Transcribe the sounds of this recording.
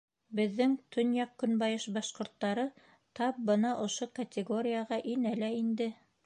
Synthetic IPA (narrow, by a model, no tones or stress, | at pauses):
bɘ̆ðːɘŋt̪ʰɵ̆njɑq̚kɵ̆nbɑjɤʃbɑʃqŏɾt̪ːɑɾɤ | t̪ɑp̚bɤnɑʔŏʃokɐt̪ʲɪɡo̞ɾʲɪjəʁɑʔinælæind̪ɘ